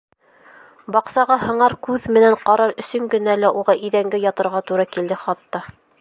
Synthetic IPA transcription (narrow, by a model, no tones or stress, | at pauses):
bɑqsɑʁɑhɤ̆ɴɑɾkʉðmɘ̆næɴqɑɾɑɾɵ̆sɵŋɡɵ̆nælæʔuʁɑʔiðæŋɡɘjɑt̪ɤ̆ɾʁɑt̪uɾɑkild̪ɘχɑt̪ːɑ